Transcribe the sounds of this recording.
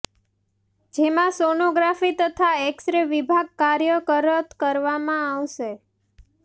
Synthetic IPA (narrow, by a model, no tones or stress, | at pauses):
d͡ʒemãsonoɡɾafit̪ət̪ʰaɛksɾeʋibʱaɡ̚kaɾjəkəɾət̪kəɾʋamãaʋʃe